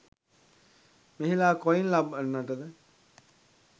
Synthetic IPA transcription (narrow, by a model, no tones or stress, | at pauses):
meɦilaːkoinlabənːaʈəd̪e